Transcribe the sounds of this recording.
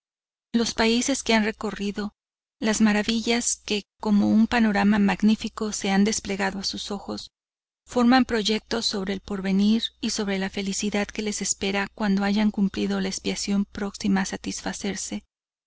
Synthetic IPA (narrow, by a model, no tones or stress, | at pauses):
lo̞spaise̞ske̞anre̞ko̞riðo̞ | lazmaɾaβiʝaske̞ko̞mo̞umpano̞ɾamamaɣnifiko̞se̞and̪e̞sple̞ɣaðoasuso̞xo̞s | fo̞ɾmampɾo̞ʝe̞k̚t̪o̞so̞βɾe̞ːlpo̞ɾβe̞niɾiso̞βɾe̞lafe̞lisiðaðke̞le̞se̞spe̞ɾakwand̪o̞aʝaŋkumpliðo̞laespiasjo̞mpɾo̞ksimaːsat̪isfase̞ɾse̞